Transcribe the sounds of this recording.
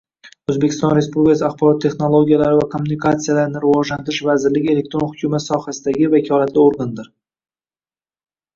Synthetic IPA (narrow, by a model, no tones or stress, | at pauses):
ɵzbe̞kʲʰɪst̪ɒnɾe̞spublɪkʰas̬ɪaχbɒɾɒt̪ʰːe̞χnolˠo̞ɡʲijalaɾɪvakʰomːunikʰat̪sijalaɾɪnɪɾɪvɒd͡ʒlant̪ɪɾɪʃvazɪɾlɪɡʲe̞le̞k̚t̪ɾo̞nhʊkʲʰumat̪sɒhasɪd̪aɡʲɪvakʲʰɒlat̪ʰlɪoɾɡand̪ɪɾ